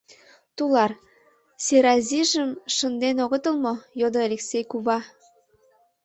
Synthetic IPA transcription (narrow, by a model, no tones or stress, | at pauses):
t̪ulɑr | siɾɑziʒəmʃənd̪enoɣət̪əlmojod̪oalʲeksʲejkuβɑ